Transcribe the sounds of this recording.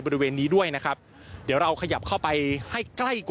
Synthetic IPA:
jbɔ˧ɾi˦˥weː˧nːiː˦˥du˥˩əjna˦˥kʰɾa˦˥p̚ | di˨˩˦wɾa˧wkʰa˧ja˨˩p̚kʰa˥˩wpa˧jha˥˩jkla˥˩jk

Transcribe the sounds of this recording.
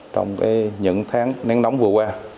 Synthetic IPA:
t͡ɕɔ˧wŋ͡mkaː˨˦jɲɨ̰˧˥ŋt̪ʰaː˨˦ŋnɛ˧˨˦ŋna˨˦wŋ͡mvɨ˨˩əkwaː˧

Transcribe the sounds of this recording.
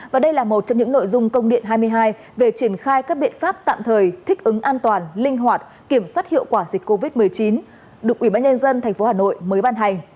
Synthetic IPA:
vaː˨˩ɗə˧jlaː˨˩mo˨˩t̚t͡ɕɔ˧wŋ͡mɲɨ̰˧˥ŋno̰˧˨jzʊ˧ŋ͡mkə˧wŋ͡mɗḭ˧˨ənɦaː˧jm˧əjɦaː˧j | ve˨˩t͡ɕi˧˩ənxaː˧jkaː˦˥k̚ɓḭ˧˨ənfaː˦˥p̚t̪a̰ː˧˨mt̪ʰəː˨˩jt̪ʰï˦˥k̚ʔɨ˨˦ŋʔaː˧nt̪waː˨˩nlï˧ŋ̟ɦwaː˨˩t̚ | ki˧˩əmswa˦˥t̚hḭ˧˨əwkwaː˧˩zï˨˩k̟̚kːo˧vi˦˥t̚mɨ˨˩əjt͡ɕi˨˦n | ɗɨ˨˩ək̚ʔwi˧˩ɓaː˧nɲə˧nzə˧nt̪ʰa˨˩ŋ̟fo˨˦haː˨˩no̰˧˨jməː˨˦jɓaː˧nɦa˨˩jŋ̟

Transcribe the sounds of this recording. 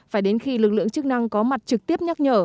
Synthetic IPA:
faː˧˩jɗe˨˦nxi˧lɨ˨˩k̚lɨ̰˧˨əŋt͡ɕɨ˦˥k̚na˧ŋkɔ˨˦ma˨˩t̚t͡ɕɨ˨˩k̚t̪i˦˥əp̚ɲə˦˥t̚ɲəː˧˩

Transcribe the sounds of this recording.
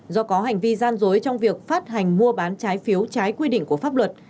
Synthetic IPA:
zɔ˧kɔ˨˦ɦa˨˩jŋ̟vi˧zaː˧nzo˨˦jt͡ɕɔ˧wŋ͡mvi˨˩ək̚faː˦˥t̚ɦa˨˩jŋ̟mu˧əɓaː˨˦nt͡ɕaː˨˦jfi˨˦əwt͡ɕaː˨˦jkwi˧ɗḭ̈˧˨ŋ̟ku˧˩əfaː˦˥p̚lwə˨˩t̚

